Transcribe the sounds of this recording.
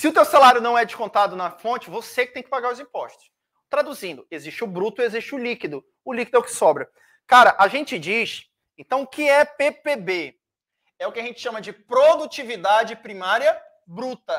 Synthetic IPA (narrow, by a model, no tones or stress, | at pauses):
sɪʊt̪ewsalaɾjʊnɐ̃w̃ɛd͡ʒɪʃkõnt̪ad̪ʊnɐfõnt͡ʃɪvosekɪt̪ẽj̃kɪ̥paɡaɾʊzĩpɔʃt̪ʊ̥s | t̪ɾad̪uzĩnd̪ʊeziʃt͡ʃɪʊbɾut̪ʊeziʃt͡ʃɪʊlikid̪ʊ | ʊlikid̪ʊɛwkɪ̥sɔbɾɐ | kaɾɐʔaʒẽnt͡ʃɪd͡ʒis | ẽnt̪ɐ̃w̃ʊkɪɛpepebe | ɛʊkɪaʒẽnt͡ʃɪ̥ʃɐ̃mɐd͡ʒɪpɾod̪ut͡ʃivid̪ad͡ʒɪpɾimaɾiɐ | bɾut̪ɐ